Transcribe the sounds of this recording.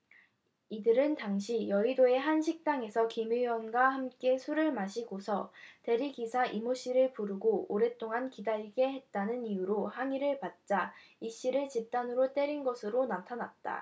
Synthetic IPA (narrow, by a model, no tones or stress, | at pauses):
idɯɾɯntaŋɕʰijʌidoe̞ɦanɕʰik̚t͈aŋe̞sʰʌkimijʌnɡwahamk͈e̞sʰuɾɯɭmaɕʰiɡosʰʌte̞ɾiɡisʰaʔimoɕ͈iɾɯɭpuɾɯɡooɾe̞t͈ʰoŋankidaɭɡe̞ɦe̞t̚t͈anɯnijuɾohaŋiɾɯɭpat̚t͡ɕ͈aiɕ͈iɾɯɭt͡ɕip̚t͈anɯɾot͈e̞ɾinɡʌsʰɯɾonatʰanat̚t͈a̰